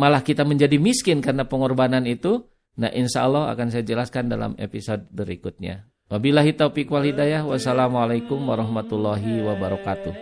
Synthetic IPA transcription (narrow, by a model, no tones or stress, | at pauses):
malahkit̪aməɲd͡ʒadimiskɪnkarnapəŋɔrbananit̪u | na̰ʔinʃa̰ɔlːɔha̰kans̬ajad͡ʒəlaskanda̰la̰mḛpisod̚bəɾikut̪̚ɲa̰ | wabilaɦit̪aupikwalhidajahwasalamalajkʊmwaɾɔhmat̪ulːɔɦiwabaɾɔkat̪uh